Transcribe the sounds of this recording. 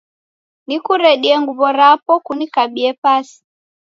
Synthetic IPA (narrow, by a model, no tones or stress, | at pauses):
nikuɾɛɗiɛŋɡuβɔɾapɔkunikaɓiɛpasi̥